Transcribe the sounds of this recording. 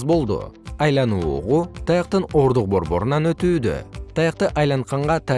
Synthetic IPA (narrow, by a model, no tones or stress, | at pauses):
zbo̞lˠd̪ʊ̰ɑjlˠɑnuːʁut̪ʰɑjɑq̚t̪əno̞ɾd̪ʊq̚bo̞ɾbo̞̰ɾənɑnøt̪yːd̪ø̰t̪ʰɑjɑq̚t̪əʔɑjlˠɑɴqʰɑɴʁɑt̪ʰɑ